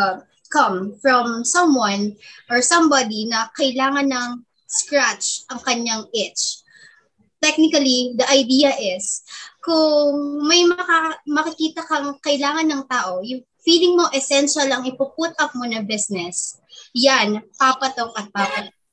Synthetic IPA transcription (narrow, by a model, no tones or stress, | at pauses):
kɐmfɹɔmsɐ̃mwɐ̃nʔɔɹsɐ̃mbad̪inɐkɐɪlaːŋɐnːɐŋ | skɹat͡ʃʔɐŋkɐɲːaŋʔɛt͡ʃ | t̪ɛk̚nɪkɐlid̪ɐʔɐjd̪iːjɐʔɪskʊŋŋmɐjmɐkamɐkɪkiːt̪ɐkɐŋkɐɪlaːŋɐnːɐŋt̪aːʔo̞jʊŋ | fiːlɪŋmo̞ʔɛsɛnʃɐlɐŋɪpʊp̚ut̪̚ʔɐp̚monɐbɪsnɛs | janpaːpɐt̪oŋʔɐt̪̚paːpɐt̪